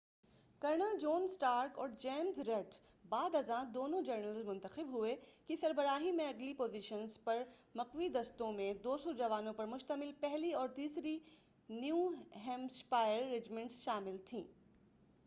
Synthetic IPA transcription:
kɐɾnad͡ʒɔːnsʈaːɾkɔːɾd͡ʒɛːmzɾɛːʈ | baːd̪ɐzãd̪oːnõd͡ʒɐɾnəlzmʊ̃nt̪əxɪbɦʊekisɐɾbəɾaːɦimẽɐɡlipoːziʃənzpɐɾ | mɐqʋid̪ɐst̪õmẽd̪oːsɔd͡ʒɐʋaːnõpɐɾmʊʃt̪əmɪlpɛɦliɔːɾt̪iːsɾi | njuːɦɛ̃ːmspaːɪjəɾːɪd͡ʒmɪ̃ɳʈsʃaːmɪlt̪ʰĩː

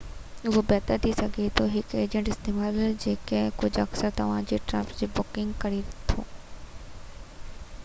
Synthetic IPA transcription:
ʋobɛːt̪əɾt̪ʰisɐɡʱet̪oɦɪkeːd͡ʑə̃ɳʈɪst̪eːmaːld͡ʑeːkekʊd͡ʑɐ̰ksəɾt̪ɐʋ̤ãd͡ʑeːʈɾɐ̰̃pd͡ʑeːbɔːkɪ̃ŋɡkɐɾit̪ʰo̰ː

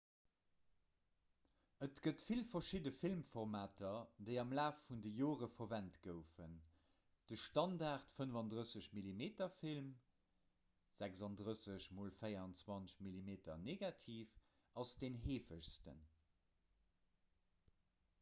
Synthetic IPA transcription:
ətɡ̥ətfilfɐʃidəfilmfɔʁmaːtʰɐdeɪɑmlaːfːundəjoːʁəfovæntɡ̥əʊfən | d̥əʃtɑndaːʁtfənvɑndʁəsəɕmilimeːtɐfilm | z̥ækzɑndʁəsəɕmoːlfəɪɐɑnt͡swɑnɕmilimeːtɐ̰neːɡɑtʰiːf | ɑsd̥eːnɦeːfəɕstə̰n

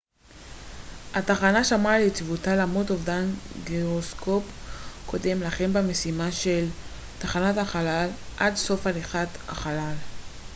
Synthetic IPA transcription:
hataχanaʃamalet͡svutalamutovdanɡiʁosko̞pkʰo̞de̞mlaχe̞mbeme̞simaʃe̞l | taχanataχalalʔadso̞faliχatha̰χalal

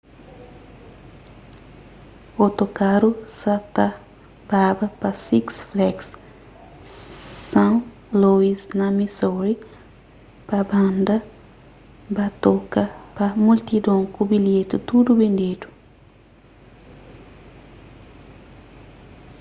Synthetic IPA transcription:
ot̪okaɾusɐt̪ɐ | babɐpɐsiksflɛks | sɐ̃ | loisnɐmisoɾi | pɐbãnd̪ɐ | bɐt̪okɐpɐmult̪id̪õŋkubiljet̪ut̪ud̪ubẽnd̪ed̪u̥

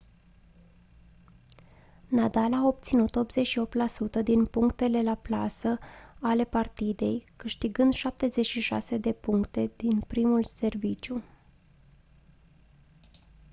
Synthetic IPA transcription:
nad̪alaːo̞p̚t̪sinut̪o̞pzet͡ʃʃio̞p̚t̪lasut̪əd̪inpuŋkt̪e̞le̞laplasəale̞part̪id̪e̞jkɨʃt̪iɡɨnd̪ʃap̚t̪e̞ze̞t͡ʃʃiʃa̰se̞d̪e̞puŋkt̪e̞d̪̥inpɾimulse̞rvit͡ʃju

